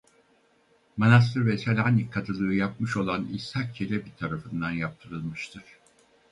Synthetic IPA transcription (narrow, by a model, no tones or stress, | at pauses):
manas̬t̪ʰɯɾvɛsalʲanikʰːat̪ʰɯlˠɯɯjap̚mɯʃo̞lˠanisʰak̚t͡ʃʰelʲɛbit̪ʰaɾafɯnd̪anjap̚t̪ʰɯɾɯlˠmɯʃt̪ʰɯɾ̥